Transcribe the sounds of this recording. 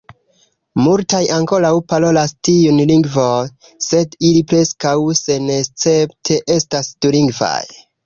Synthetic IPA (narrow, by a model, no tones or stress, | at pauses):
multajʔaŋko̞lawpalo̞lastiunliŋɡvon | se̞dilipɾe̞skawse̞nest͡se̞ptʰe̞ʔe̞stasd̥uliŋɡva̰j